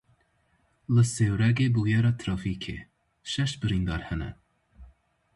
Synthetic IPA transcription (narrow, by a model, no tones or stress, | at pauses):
ləsewɾɛɡebujɛɾɑt̪ʰɾɑːfiːkʰḛ | ʃɛʃbəɾiːnd̪ɑ̰ːɾhɛnɛ̰